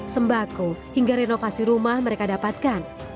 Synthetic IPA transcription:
səmbakuhiŋɡaɾenofasiɾumahməɾekadapat̪̚kan

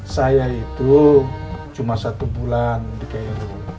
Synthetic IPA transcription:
sajait̪u | t͡ʃumasat̪ubulandikaiɾu

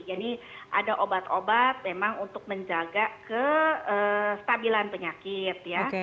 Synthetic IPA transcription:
janiʔa̰daʔobat̪obat̪̚memaŋunt̪ʊk̚məɲd͡ʒaɡakəəst̪abilanpəɲakɪt̪̚jak

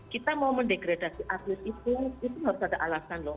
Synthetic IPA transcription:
kit̪amawməɳɖeɡɾadasiʔatlɪsit̪uit̪ubaɾusadaʔalasanlɔh

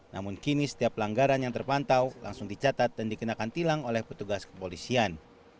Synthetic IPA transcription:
na̰mʊnkinisə̥t̪iaplaŋɡaɾanjaŋt̪ərpant̪awla̰ŋsʊŋdit͡ʃat̪at̪̚dandikənakant̪ilaŋolɛhpət̪uɡaskə̥polisian

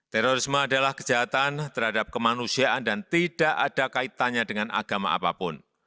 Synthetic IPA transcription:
t̪ɛɾoɾɪsməadalahkə̥d͡ʒ̥aɦat̪ant̪ərɦadap̚kəmanusiaʔandant̪id̥aʔad̥akait̪aɲadəŋanʔa̰ɡ̥ama̰ʔa̰pa̰pʊn

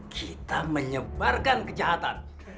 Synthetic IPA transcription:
kʰit̪aməɲəbarkankəd͡ʒaɦat̪an

